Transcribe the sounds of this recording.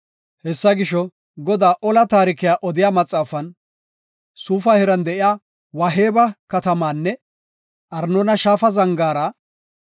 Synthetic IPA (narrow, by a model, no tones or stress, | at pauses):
hɛsːɐɡɪʃɔ | ɡɔd̪aːʔɔlɐt̪aːɾɪkɪjaːʔɔd̪ɪjaːmɐt͡sʼːaːfɐn | suːfɐhɛɾɐnd̪ɛʔɪjaː | wɐɦe̞ːbɐkɐt̪ɐmaːnːɛ | ʔɐɾnɔnɐʃaːfɐzɐŋɡaːɾɐ